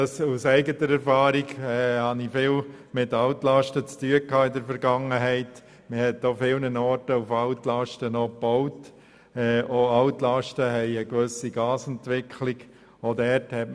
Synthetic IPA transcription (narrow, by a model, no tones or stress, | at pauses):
ɑsusɛɪɡətəɾɛɾfɑːɾiɡɛːhɑnifɪːlmɪtɑʊtlɑʃtət͡styəkʰɑːɪdəɾfɛɾɡɑŋəɦɛɪt | məhɛt̚dofɪlnənɔːɾtəufɑʊtlɑʃtənɔpɔʊt | ɛːʔoɑʊtlɑʃtəɦɛɪəɡʋøsiɡɑːsɛntʋɪkʰlɪɡ̥ | odɛɾthɛt